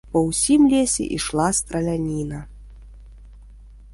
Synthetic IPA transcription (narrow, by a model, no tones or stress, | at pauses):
pɐwsʲimlʲesʲɛ̰ʔḭʂlˠast̪ɾɐlʲanʲinɐ